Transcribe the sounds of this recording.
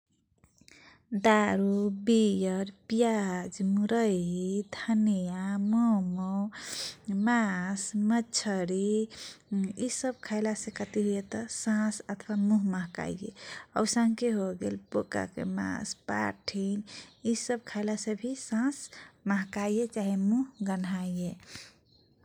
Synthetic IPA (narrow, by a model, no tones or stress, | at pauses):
d̪aɾubijəɾpijad͡ʒmuɾəd̪ʱənejamɔmo | masmət͡ʃʰəɾi | isəb̚kʰaɪlasẽkət̪iɦujet̪əsãsət̪ʰʋamuɦmaɦka̰jjḛə̰wsãŋkeɦoɡelpoka̰kḛmã̰spa̰ʈʰinisəb̚kʰajlasəbʱisãsmaɦkajjet͡ʃaɦemuɦɡənajje